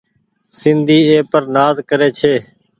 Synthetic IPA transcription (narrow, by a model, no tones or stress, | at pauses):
sɪnd̪ʱiːeːpəɾnaːzkəɾeːt͡ʃʰeː